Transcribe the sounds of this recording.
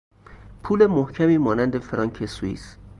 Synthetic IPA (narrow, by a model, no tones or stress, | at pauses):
pʰuːle̞mohcʰæmiːmɒːnænd̪efeɾɒːŋkʰesuḭːs